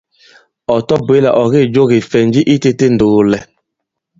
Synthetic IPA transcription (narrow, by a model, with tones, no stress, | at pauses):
ɔ˨tɔ˦bwe˨˦la˨ʔɔ˨ɣe˦˨d͡ʒo˦ɣe˨fɛ˨n˦d͡ʒi˦ʔi˦te˦te˦n̩˨doː˨lɛ˨